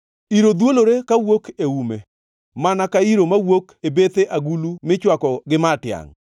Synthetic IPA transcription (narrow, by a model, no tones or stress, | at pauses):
iɾod̪woloɾekawokeume | manakaiɾomawokebet̪eʔaɡulumɪt͡ʃwakɔɡɪmatɪa̰ŋ